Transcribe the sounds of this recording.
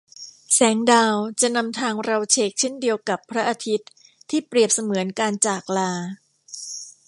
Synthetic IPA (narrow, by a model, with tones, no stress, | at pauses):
sɛː˩˦ŋdaː˧wt͡ɕa˨˩na˧mt̪ʰaː˧ŋɾa˧wt͡ɕʰeː˦˩k̚t͡ɕʰe˥˩ndi˧əwka˨˩pʰːɾa˦˥ʔa˧t̪ʰi˦˥t̪ʰːiː˥˩pɾi˨˩əp̚sa˧mɯ˩˦ənkaː˧nt͡ɕaː˨˩k̚laː˧